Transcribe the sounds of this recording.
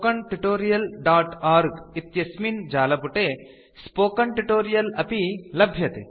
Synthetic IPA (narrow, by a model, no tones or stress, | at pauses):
kɐɳʈiʈoːɾijɐlɖaːʈaɾɡit̪jɐsmind͡ʒaːlɐpuʈe | spoːkɐɳʈiʈoːɾijɐlɐpilɐbʱjɐt̪ḛ